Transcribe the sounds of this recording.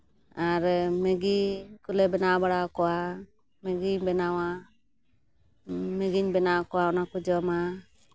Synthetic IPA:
aɾmɛɡikulɛbɛnawbaɽakɔwa | mɛɡiɲbɛnawa | mɛɡiɲbɛnakɔwaɔnakud͡ʒɔma

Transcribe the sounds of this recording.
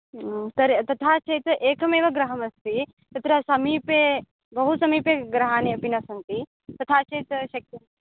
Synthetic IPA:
t̪ɐɾt̪ɐt̪ʰaːt͡ʃʰɐjt̪ʔeːkɐmeːʋɐɡɾɐɦɐmɐst̪i | t̪ɐt̪ɾɐsɐmiːpe | bɐɦusɐmiːpeɡɾɐɦaːneɐpinɐsɐnt̪i | t̪ɐt̪ʰaːt͡ʃejt̪ʃɐk̚t̪ɐn

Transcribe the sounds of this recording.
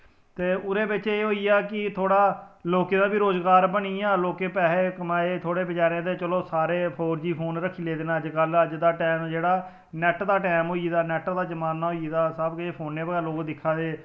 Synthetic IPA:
t̪eːʊɾeːbɪt͡ʃeːɦoːiːaːkɪt̪ʰoːɽaːloːkẽːd̪aːbiːɾoːzɡaːɾbəɽiːaːloːkeːpɛːɦeːkəmaːeːt̪ʰoːɽeːbəd͡ʒaːɾẽːd̪eːt͡ʃəloːsaːɾeːpʰoːɾd͡ʒiːpʰoːnɾəkʰːiːleːd̪eːnaːəd͡ʒkələd͡ʒd̪aːʈɛːmd͡ʒeːɽaː | nɛːʈd̪aːʈɛːmɦoːiːd̪aːnɛːʈd̪aːd͡ʒəmaːnːaːɦoːid̪aːsəbkeːpʰoːnːeːbəɡɛːloːkd̪ɪkʰːaːd̪eː

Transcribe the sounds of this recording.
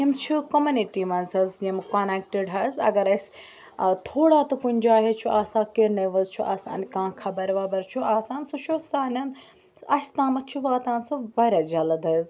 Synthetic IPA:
imt͡ʃʰukɐmuniʈimɐnzɐzjimkaːneːk̚ʈeɖɦɐzɐ̰ɡɐɾɐs | t̪ʰoːɽaːt̪ɨkunʲd͡ʒoaːɦet͡ʃʰuʔaːsãːkeɾnɐʋɐzt͡ʃʰuʔa̰ːsã̰ːnʲkãːkʰɐbɐɾʋaːbɐɾt͡ʃʰuaːsãːnsuʃʰosaːnʲɐn | ɐt͡ʃʰt̪ãːmɐt͡ʃʰuʋaːt̪ãːnsuʋɐːɾʲad͡ʒɐlɐd̪ɦɐz

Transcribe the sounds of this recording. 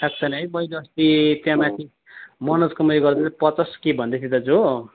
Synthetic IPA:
ʈʰak̚t͡sʰʌnejmʌilʌst̪it̪jãmãt̪ʰi | mʌnʌd͡zkʌmʌjɡʌrd̪at͡sʌ̃pʌt͡sʌskebʱʌnd̪et̪ʰit̪ʌd͡zo

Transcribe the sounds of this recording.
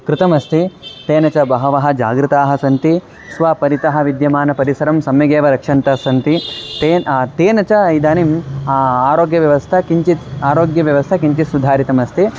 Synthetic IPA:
kɾɪt̪ɐmɐst̪ʰit̪eːnɐt͡ʃɐbɐɦɐʋɐɦɐ̆d͡ʒa̰ːɡɾɨt̪aːɦɐ̆sɐnt̪i | sʋaːpɐɾit̪ɐɦɐ̆ʋid̪jɐmaːnɐpɐɾisɐɾɐmsɐmjɐɡeːʋɐɾɐkʂɐnt̪ɐsɐnt̪it̪eːt̪eːnɐt͡ʃɐɐjd̪aːnim | aːɾoːɡjɐʋjɐʋɐst̪ʰɐkiɲt͡ʃit̪aːɾoːɡjɐʋjɐʋɐst̪ʰɐkiɲt͡ʃisud̪ʱaːɾit̪ɐmɐst̪ʰi

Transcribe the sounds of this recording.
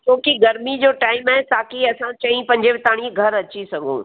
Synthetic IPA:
t͡ɕõːkiɡɐɾmid͡ʑoːʈaːɪmɦɛːt̪aːkiɐsãt͡ɕɐĩpɐ̃ɲd͡ʑebɪt̪aːɽ̃iɡʱɐɾɐt͡ɕisɐɡõ̰ː

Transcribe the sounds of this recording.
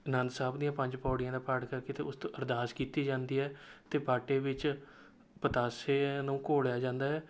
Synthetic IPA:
nə̃nd̪saːbd̪ijãːpəɲd͡ʒpɔːɽɪjãːd̪aːpəʈkəɾkeːt̪ḛːʊst̪õːʔəɾd̪aːskiːt̪iːd͡ʒãːnd̪iːɦɛːt̪eːpaːʈeːʋɪt͡ʃ | pət̪aːseːnũːkoːɽjaːd͡ʒãːnd̪aːɦɛː

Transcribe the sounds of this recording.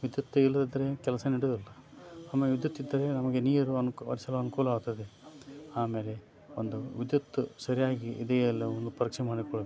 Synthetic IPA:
ʋid̪jut̪ːilːɐd̪id̪ɐɾe̞kɛlɐsɐniɽud̪ɐlːɐaːmeːleʋid̪jut̪ːid̪ːɐɾe̞nɐmɐɡe̞niːɾɐɾuɐnuʋɐ̰ɾisɐlɐɐnukuːlɐaːɡut̪ːɐd̪e̞aːme̞ːle̞ | ond̪uʋid̪jut̪ːusɐɾijaːɡiːd̪eɐlːɐond̪upɐɾɐkʂemaːɽikoɭ

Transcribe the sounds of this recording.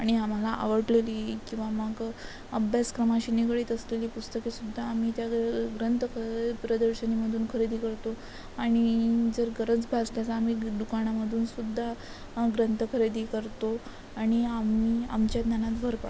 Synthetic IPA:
aɽ̃iam̤alaʔa̰ʋəɾʈleliːkĩw̃ʋaməɡ | əbʱjaskɾəmaɕiːnikɽiːt̪əsleliːpust̪əkesud̪ʱːaːm̤it̪jaɡɾənt̪əkʰəpɾəd̪əɾɕəniməd̪ʱuːnkʰəɾed̪iːkəɾt̪o | aɽ̃id͡zəɾɡəɾət͡sbʱad͡zt̪at͡saːmiːd̪ukaɳ̃aməd̪ʱuːnsud̪ʱːa | ɡɾənt̪əkʰəɾed̪iːkəɾt̪o | aɽ̃iamia̰mt͡ɕjad̪nanat̪bʱəɾpa

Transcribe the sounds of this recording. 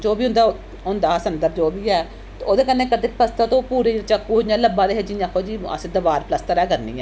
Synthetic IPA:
d͡ʒoːbiːɦʊ̃nd̪aː | ɦʊnd̪aːsənd̪əɾd͡ʒoːbiːɛː | t̪ːoːd̪eːkənːeːkəɾt̪eːpləst̪at̪õːpuːɾeːd͡ʒt͡ʃakːuːɦod͡ʒãːləbãːd̪eːɦed͡ʒiãːkʰoːd͡ʒiːə̰sẽd̪əʋaːɾpləst̪əɾɛːkəɾnḭ̃ːɛː

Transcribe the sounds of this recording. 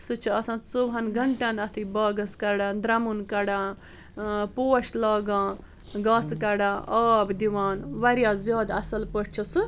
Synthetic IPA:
sɨt͡ʃʰiɐsãt͡soʋɦɐnɡɐɳʈanɐt̪ʰibaːɡɐskɐɖãːd̪ɾɐmunkɐɽãː | poːɐʃlaːɡãː | ɡãːskɐɽãːʔaːbd̪iʋaːnʋɐɾjaːzjaːd̪ɐsɐlpəɽt͡ʃʰisɨ

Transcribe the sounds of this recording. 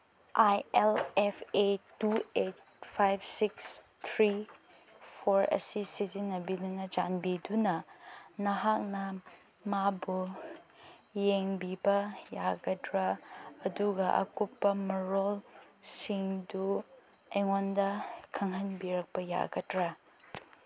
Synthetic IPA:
ʔajelepʰetuet̚pʰajb̚siks | t̪ʰɾi | pʰoɾɐ̰sisizinːɐbidunɐd͡ʒanbidunɐnɐɦak̚nɐ | mabu | jeŋbibɐjaɡɐdɾɐːduɡɐʔɐ̰kupːɐmɐɾol | siŋdu | ejŋondɐkʰɐŋɦɐnbiɾɐk̚pɐja̰ɡɐdɾɐ

